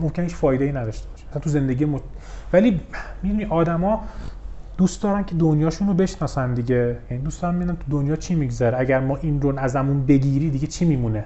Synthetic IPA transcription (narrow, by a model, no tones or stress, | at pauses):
momcʰenehit͡ʃfɒːjd̪e̞jinæd̪ɒːʃt̪ebɒ̥ʃe̥æsænt̪ʰuze̞nd̪e̞ɟijemo | væliːmiimiʔɒːd̪æmɒː | d̪̥uːst̪d̪ɒːɾæncʰe̞d̪onjɒːʃunɾobe̞ʃnɒːsænd̪iɟejæniːd̪usd̪ɒːɾænmid̪unænt̪ʰud̪onjɒːt͡ʃʰimiɡzæɾeæɟæɾmɒːʔinɾonæzæmunbe̞ɟiːɾiːd̪iɡet͡ʃʰiːmiːmune